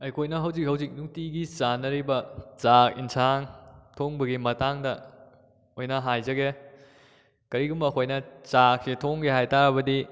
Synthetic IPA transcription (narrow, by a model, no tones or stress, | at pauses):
ɐjkʰojnɐɦɐwzik̚hɐwzik̚nuŋtiɡit͡ʃanɐɾibɐt͡ʃakinsʰaŋtʰoŋbɐɡimɐtaŋdɐ | ojnɐɦajzɐɡe | kɐɾiɡumɐkʰojnɐt͡ʃaksitʰoŋɡeɦajtaɾɐbɐdi